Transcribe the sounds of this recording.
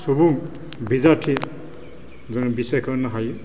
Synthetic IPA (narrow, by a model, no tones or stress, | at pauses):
subuŋ | bizatʰi | zaŋbisɔjkʰɔnaɦaj